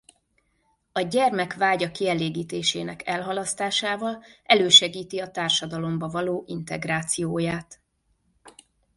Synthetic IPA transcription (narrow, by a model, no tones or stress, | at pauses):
ɒɟɛrmɛkvaːɟɒkiɛleːɡiːt̪eːʃḛːnɛkɛlɦɒlɒst̪aːʃaːvɒlʔɛløːʃɛɡiːt̪iɒt̪aːrʃɒd̪ɒlo̞mbɒvɒloːʔint̪ɛɡraːt̪sijoːjaːt̪